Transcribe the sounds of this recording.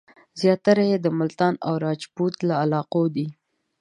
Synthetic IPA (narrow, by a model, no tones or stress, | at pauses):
zjɑt̪aɾajed̪əmʊlt̪ɑnawɾɑd͡ʒbut̪laːlɑqod̪i